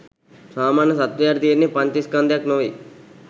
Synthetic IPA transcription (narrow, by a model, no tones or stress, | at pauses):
saːmaːnjɐsɐt̪jaːɾt̪ijɐɾnːipɐɲt͡ʃ̪iskand̪jaknoːi